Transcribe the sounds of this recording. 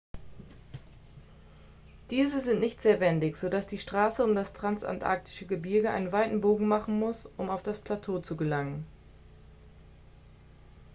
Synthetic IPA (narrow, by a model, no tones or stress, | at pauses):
d̥iːzəzɪntnɪçtz̥eːɐvɛndɪçz̥odasd̥iːʃtʁ̥aːsəʊmdastʁ̥ansʔa̰ntʔa̰ɐk̚tʰɪ̥ʃəɡəbɪɐɡəʔa̰ɪnənvaɪtn̩boːɡŋ̩maχn̩mʊsʔʊmaʊfd̥aspʰl̥atʰoːt͡suɡəlaŋən